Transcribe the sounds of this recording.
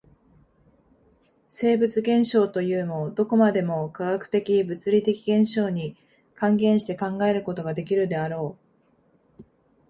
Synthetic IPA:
se̞ːbɯ̟t͡sɨɡẽ̞ɰ̃ɕo̞ːt̪o̞jɯ̟ːmo̞d̪o̞ko̞mad̪e̞mo̞kaɡakɯ̟̥t̪e̞kʲibɯ̟t͡sɨɾʲit̪e̞kʲiɡẽ̞ɰ̃ɕo̞ːɲ̟i | kãŋɡẽ̞ɰ̃ɕi̥t̪e̞kãŋɡae̞ɾɯ̟ko̞t̪o̞ɡad̪e̞kʲiɾɯ̟d̪e̞aɾo̞ː

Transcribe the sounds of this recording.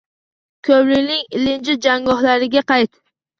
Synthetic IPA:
kʲʰɵblɪnɪŋɪlɪnd͡ʒɪd͡ʒaŋɡɒhlaɾɪɡʲaqɑjt̪

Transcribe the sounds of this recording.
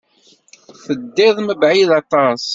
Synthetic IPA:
θəd̪ːɪðˤməbʕiðɑt̪ˤɑs

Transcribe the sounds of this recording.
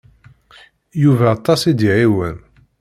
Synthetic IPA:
juvæːt̪ˤːɑsid̪iʕiwən

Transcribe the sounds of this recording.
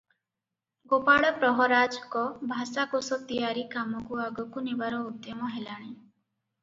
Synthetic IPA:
ɡopaɭɔpɾɔɦɔɾad͡ʒkɔbʱasakosɔt̪ijaɾikamɔkuaɡɔkunibaɾɔud̪jɔmɔɦelaɽ̃i

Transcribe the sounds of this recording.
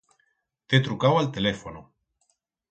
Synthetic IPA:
t̪et̪ɾukawalt̪elefono

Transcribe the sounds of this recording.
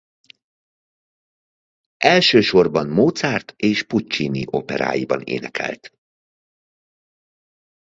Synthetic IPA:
ɛlʃøːʃo̞rbɒnmoːt̪saːrt̪eːʃput͡ʃːiniʔo̞pɛɾa̰ːjibɒnḛːnɛkʰɛ̰lt̪

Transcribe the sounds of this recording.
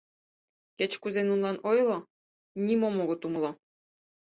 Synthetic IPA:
ket͡ɕkuzenunlˠɑnʔojlˠɤ̆ | nʲimomoɣŏt̪umlˠɤ̆

